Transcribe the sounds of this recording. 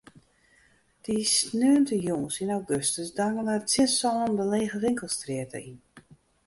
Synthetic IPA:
d̥isnøːəntəjoŋəsinawɡøstəsdaŋənartɪnsɔːəndəleːɣəʋɪŋkəlˠstrɪətʰə̰ʔin

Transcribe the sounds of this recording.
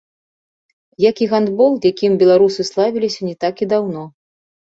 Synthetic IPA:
jakiɣand̪bɔlˠjakʲimbʲɛlˠaɾusɨslˠavʲilʲisʲɐnʲɛt̪akid̪awnɔ

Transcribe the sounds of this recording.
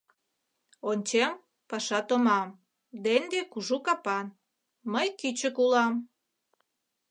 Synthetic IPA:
onʲt͡ɕem | pɑʃɑt̪omɑm | d̪end̪ekuʒukɑpɑn | məjkyt͡ɕəkulɑm

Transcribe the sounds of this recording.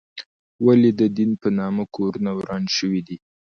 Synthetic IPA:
walid̪əd̪inpənɑməkʰoɾunawɾɑnʃəwid̪i

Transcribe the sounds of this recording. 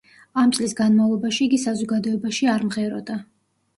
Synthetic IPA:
amt̪sʼlisɡanmavlˠɔbaʃiːɡisazɔɡad̪ɔɛbaʃiaɾmʁɛɾɔ̰d̪a

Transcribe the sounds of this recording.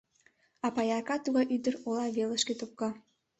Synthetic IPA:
ɑpɑjɑkɑt̪uɣɑjʔyd̪əɾolɑβeləʃket̪op̚kɑ

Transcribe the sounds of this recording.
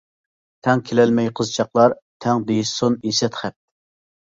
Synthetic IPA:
t̪ʰɛŋkʲʰelɛlmɛjqʰəzt͡ʃʰɑqlˠɑɾt̪ʰɛŋd̪ejisunisɛt̪χɛp̚

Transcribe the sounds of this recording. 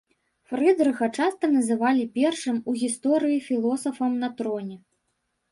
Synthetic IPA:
frɨd̪ɾɨɣɐt͡ʂast̪ɐnɐzɨvalʲipʲɛrʂɨmuɣʲist̪ɔɾɨjifʲilˠɔsɐfɐmnɐt̪ɾɔnʲɛ

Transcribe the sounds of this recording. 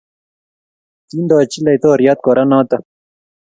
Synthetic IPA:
t̪ind̪aːt͡ɕilajt̪oːɾjat̪̚koɾanãːt̪a

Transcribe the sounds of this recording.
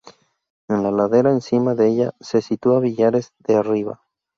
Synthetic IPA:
enlalaðe̞ɾaensimaðeeʎase̞sit̪uaβiʎaɾe̞zðeariβa̰

